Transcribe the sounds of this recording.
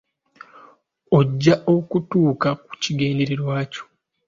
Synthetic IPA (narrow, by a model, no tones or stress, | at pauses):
oɟːaʔo̞kutuːkaku̥ciɡe̞ːnde̞ɾe̞ɾwaːco̥